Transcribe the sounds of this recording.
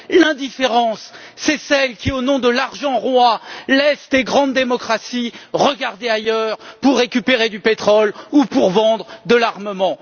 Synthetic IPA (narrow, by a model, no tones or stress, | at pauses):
lɛ̃d̪ifeʁɑ̃sː | ɛsɛlkʲionɔ̃d̪əlaʁʒɑ̃ʁwalɛsd̪eɡʁɑ̃d̪ːemɔkχasiʁəɡaʁd̪eajœʁpuʁːekʲypeʁed̪ypet̪χɔlupuʁvɑ̃d̪ʁəd̪əlaʁməmɑ̃